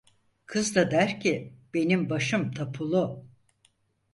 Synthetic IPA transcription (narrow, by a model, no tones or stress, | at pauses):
kʰɯzd̪ad̪æɾcʰib̥e̞nimbaʃɯmt̪ʰapʰulˠu